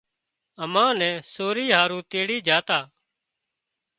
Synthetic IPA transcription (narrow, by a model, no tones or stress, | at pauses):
əmãːnɛ̃ːsoːɾiːɦaːɾũːt̪eːɽiːd͡ʒaːt̪aː